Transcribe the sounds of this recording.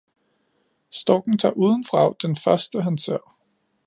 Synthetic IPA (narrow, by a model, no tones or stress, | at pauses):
sd̥ɒɡ̥n̩t͡sʰɑ̈ːʔuːð̞ˠən̩fʁɑ̈ʊd̥enfɶɐsd̥əɦænse̝ɐ̰